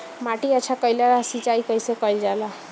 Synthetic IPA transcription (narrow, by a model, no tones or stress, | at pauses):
maʈiat͡ʃʰakʌjlaɾasit͡ʃajkʌjsokʌjld͡ʒala